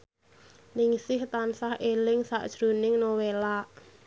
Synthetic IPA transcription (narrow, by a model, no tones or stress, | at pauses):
nɪŋsɪht̪ansahʔelɪŋsa̰ʔd̥ʒ̥ɾunɪŋnowelaʔ